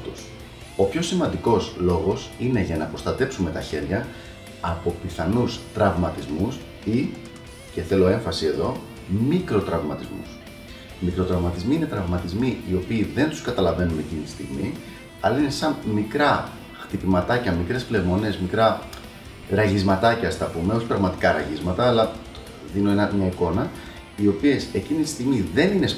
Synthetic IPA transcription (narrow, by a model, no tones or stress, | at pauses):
t̪us | o̞pço̞simɐnd̪iko̞slo̞ɣo̞sine̞ʝɐnɐpɾo̞st̪ɐt̪e̞psume̞t̪ɐçe̞ɾʝɐ | ɐpo̞piθɐnust̪ɾɐvmɐt̪izmus | i | ce̞θe̞lo̞e̞ɱfɐsie̞ðo̞ | mikɾo̞t̪ɾɐvmɐt̪izmṵs | mikɾo̞t̪ɾɐvmɐt̪izmiine̞t̪ɾɐvmɐt̪izmiio̞piːðe̞nt̪u̥skɐt̪ɐlɐve̞nune̞cinit̪i̥st̪iɣmi | ɐlɐine̞sɐnmikɾɐ | xt̪ipimɐt̪ɐcɐmikɾe̞sple̞vmo̞ne̞zmikɾɐ | ɾɐʝizmɐt̪ɐcɐst̪ɐpume̞o̞ç̥pɾɐɣmɐt̪i̥kɐɾɐ̰ʝizmɐt̪ɐːlɐ | ðinoenɐmɲɐiko̞nɐ | io̞pie̞se̞cinit̪i̥st̪iɣmiðe̞nine